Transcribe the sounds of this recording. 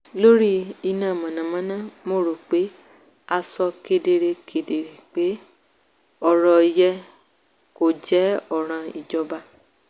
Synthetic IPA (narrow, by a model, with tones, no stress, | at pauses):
lo˦ɾi˦i˧nãː˨mã˨nã˨mã˨˦nã˦˨mo˦˨ɾo˨k͡pe˨˦ | a˧sɔ˧ke˧de˧ɾe˧kʰe˨de˨ɾe˨k͡pe˨˦ | ɔ˨ɾɔ˨˧jɛ˧ | ko˨d͡ʒɛ˨˦ɔ˦˨ɾ̃ã˧i˨d͡ʒɔ˧ba˧